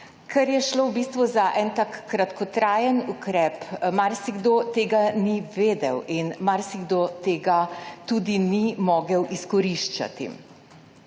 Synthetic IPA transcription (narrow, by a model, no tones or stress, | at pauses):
kʰɛɾjɛʃlowbist̪ʋuzaʔɛnt̪aːkːɾat̪kʰɔt̪ɾaːjənukɾɛːpmaɾsiɡd̪ot̪eːɡaniʋeːd̪ɛwinmaɾsiɡd̪ot̪eːɡat̪ud̪inimɔːɡəwʔiskɔɾiʃt͡ʃa̰t̪ḭ